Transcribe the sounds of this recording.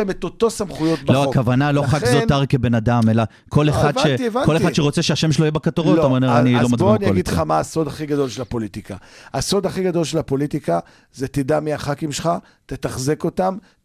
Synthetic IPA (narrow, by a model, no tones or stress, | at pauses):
emet̪ot̪o̞samχujo̞t̚bloakavanaloχakzot̪aʁkebe̞nad̪amela | kʰo̞leχad̪vʃevanko̞leχadʃeʁo̞t͡seʃeaʃemʃeloijebakat̪oʁolameneanilomadboianiaɡid̪χamaːso̞d̪aχiɡad̪o̞lʃelapo̞lit̪ikahaso̞d̪aχiɡad̪o̞lʃelapo̞lit̪ika | zet̪id̪amiaχakimʃeχa | t̪et̪aχzeko̞tam